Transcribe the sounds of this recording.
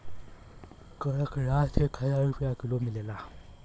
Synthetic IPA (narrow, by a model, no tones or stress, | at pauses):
kəakʰəɾatʰekʰajaipʰiakilomilɛla